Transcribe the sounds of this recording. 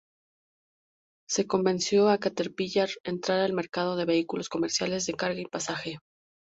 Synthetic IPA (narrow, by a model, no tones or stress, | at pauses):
se̞ko̞mbe̞nsjo̞akat̪eɾpiʝaɾent̪ɾaɾaelme̞ɾkað̞o̞ð̞e̞βe̞ikulo̞sko̞me̞ɾsjale̞zðe̞kaɾɣaipasaxe̞